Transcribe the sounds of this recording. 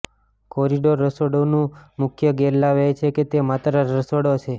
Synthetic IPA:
kɔɾiɖoɾːəsoɽonũmʊkʰjəɡeɾlaʋejt͡ʃʰeket̪emat̪ɾəɾəsoɽot͡ʃʰe

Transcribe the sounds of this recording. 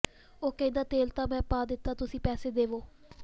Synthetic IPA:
oːkə̃ĩd̪aːt̪eːlt̪ãːmɛ̃ːpaːd̪ɪt̪ːaːt̪ʊsĩːpɛːseːd̪eːʋoː

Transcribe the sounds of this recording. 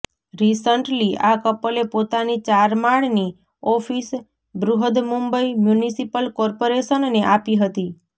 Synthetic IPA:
ɾisəɳʈliakəpəlepot̪anit͡ʃaɾmaɭni | ɔfis | bɾuɦəd̪mumbəimjunisipəlkɔɾpoɾeʃənːeʔapiɦət̪i

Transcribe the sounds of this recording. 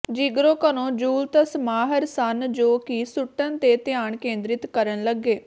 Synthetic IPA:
d͡ʒiɡɾõːkənõːd͡ʒuːlt̪əsmaːɦəɾsənd͡ʒoːkisʊʈːənt̪eːt̪ɪjaːɳkẽːnd̪ɾɪt̪kəɾənləɡːeː

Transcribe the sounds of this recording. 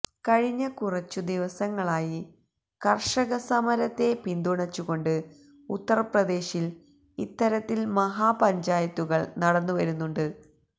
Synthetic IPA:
kɐɻiɲːɐkurɐt͡ɕːud̪iʋɐsɐŋːɐɭaːji | kɐrʂɐɣɐsɐmɐɾɐt̪ːe̞pind̪uɳɐt͡ɕːuɣo̞ɳɖɨ | ut̪ːɐrɐprɐd̪e̞ːɕil | it̪ːɐɾɐt̪ːilmɐɦaːpɐɲd͡ʑaːjɐt̪ːuɣɐɭnɐɽɐnːuʋɐɾunːuɳɖɨ

